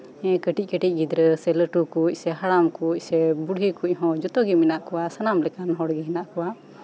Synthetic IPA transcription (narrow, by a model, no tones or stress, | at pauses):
ɛ̃kəʈic̚kəʈic̚ˀɡid̪ɾəsɛləʈukuc̚sɛɦaɽamkuc̚ˀsɛbuɽɦikuc̚ɦɔ̃d͡ʒɔt̪ɔɡiminaʔkɔwasanamlɛkanɔɦɔɽɡɛɦɛnaʔkɔwa